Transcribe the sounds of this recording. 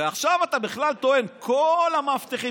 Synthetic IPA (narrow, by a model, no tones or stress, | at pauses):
eaχʃavat̪abiχlalt̪o̞e̞nkʰolhamaft̪eχi